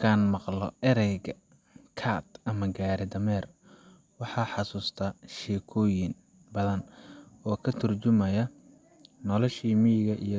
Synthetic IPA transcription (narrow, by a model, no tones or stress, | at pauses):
kʰaːnmɑqlɔɪɾɛɡɐ | kʰaːt̪ɐmɐɡaːɾɪd̪ɐmɛːr | wɑħɑːħɑsuːst̪ʰɐʃɛːkʰɔːjɪn | bɐðɐnɔːkʰɐt̪ʰʊrt͡ʃʊmɐjɐ | nɔlɔʃiːmijɣɐʔḭj